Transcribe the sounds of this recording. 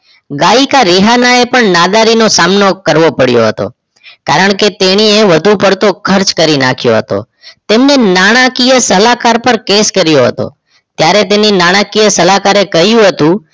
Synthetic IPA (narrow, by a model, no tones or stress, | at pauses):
ɡaikaɾiɦanaepəɳnad̪aɾinosamnokəɾʋopəɽjo̰ɦət̪o̰ | kaɾəɳ̃ket̪eɽ̃ieʋəd̪ʱupəɾt̪okʰəɾt͡ʃkəɾina̰kʰjo̰ɦə̰t̪o̰ | t̪emnenaɽ̃akijəsəlakaɾpəɾkeskəɾjoɦət̪o̰ | t̪jaɾet̪eninaɽ̃akijəsəlakaɾekəɦjũɦət̪ũ